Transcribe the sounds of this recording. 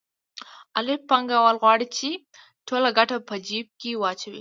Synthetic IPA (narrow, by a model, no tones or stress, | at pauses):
alɪpːaŋɡawəlɣwɑɽit͡ʃe | ʈʰolaɡaʈapəd͡ʒib̚kewɑt͡ʃawḭ